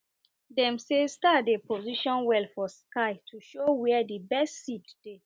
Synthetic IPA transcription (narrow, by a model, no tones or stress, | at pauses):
dɛ̃msestatdepʰoziʃɔ̃nwɛlfɔskaɪtʰuʃowɛdibɛstsitd̥e